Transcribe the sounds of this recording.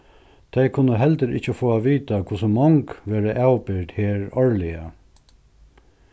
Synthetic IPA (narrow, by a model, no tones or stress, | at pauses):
t̪ʰɛjkʰʊnːəɦɛlt̪əɾɪt͡ʃːəfoːaʋiːt̪akʰʊsəmɔŋkʋeːɾəʔawpɪɾt̪heːɾɔɹlɪa